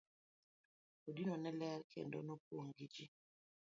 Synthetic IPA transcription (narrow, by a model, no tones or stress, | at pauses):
odinɔnɛlɛɾkʰɛ̰ndɔ̰nɔpoŋɡid͡ʒi